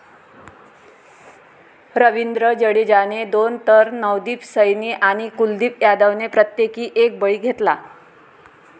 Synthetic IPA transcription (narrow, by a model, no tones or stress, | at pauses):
ɾəʋind̪ɾəd͡ʑəɽid͡ʑaned̪ont̪əɾnəʋd̪iːpsəjniːʔaɽ̃ikuld̪iːpjad̪əʋnepɾət̪jekiːʔek̚bəɭiːɡʱet̪la